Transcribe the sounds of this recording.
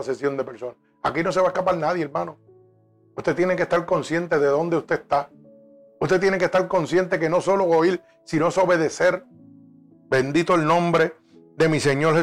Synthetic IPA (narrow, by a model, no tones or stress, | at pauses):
sesjo̞nd̪epe̞ɾso̞na | a̰kino̞se̞βaehkapaɾnaðjeɾmãno | ust̪et̪je̞nekest̪aɾko̞nsje̞nt̪e̞ðe̞ðond̪e̞ust̪e̞ːst̪a | ust̪e̞t̪̬je̞neke̞st̪aɾko̞nsje̞nt̪e̞ke̞no̞so̞lo̞oil | sinoeso̞βe̞ðese̞ɾ | be̞nd̪it̪oelnõ̞mbɾe | ðe̞mise̞ɲo̞ɾhe